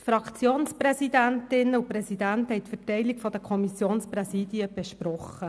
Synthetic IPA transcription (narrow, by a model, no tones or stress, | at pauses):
fɾɑkʰt͡sjoːnspɾɛsid̪æntɪnəʊpɾɛsid̪ænthɛjtfətɛɪlikfɔd̥̪əkʰɔmisjoːnsprɛsiːdiəb̥eʃprɔχə